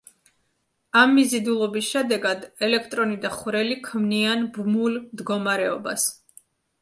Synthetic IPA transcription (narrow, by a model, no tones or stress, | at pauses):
amːizid̪ulˠɔbisʃɛd̪ɛɡad̪ɛlɛkʰt̪ʼɾɔnid̪aχwɾɛlikʰmnianbmulmd̪ɡɔmaɾɛɔ̰bas